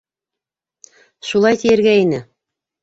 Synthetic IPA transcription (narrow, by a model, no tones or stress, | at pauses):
ʃulˠɑjt̪ijɘ̆ɾɡæinɘ